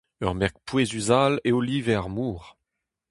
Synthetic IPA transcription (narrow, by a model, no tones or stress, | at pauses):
œʁmɛʁk̚pwezyzaleoliːvɛaʁmuːʁ